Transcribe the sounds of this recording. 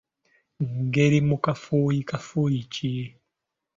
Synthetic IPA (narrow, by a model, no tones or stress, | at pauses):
ŋ̩ɡeɾimukafojikafojit͡ʃi